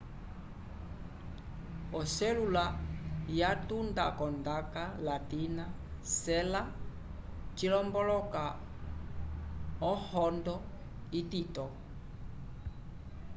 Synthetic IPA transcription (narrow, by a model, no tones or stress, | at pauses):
ɔsɛlulajatundakɔndakalatina | sɛla | t͡ʃilɔmbɔlɔka | ɔhɔndɔ | ititɔ